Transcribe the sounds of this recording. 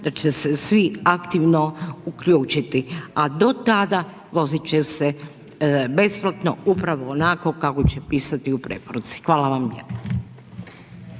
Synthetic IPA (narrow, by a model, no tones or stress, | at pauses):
d̪̥at͡ʃesesʋiakt̪iʋnoukʎuːt͡ʃit̪iad̪o̞t̪ad̪a | ʋo̞zit͡ʃese | be̞splˠat̪noupɾaʋoːnako̞kako̞t͡ʃepiːsat̪iupɾe̞̰poɾut̪si̥xʋaːlaʋamjed̪no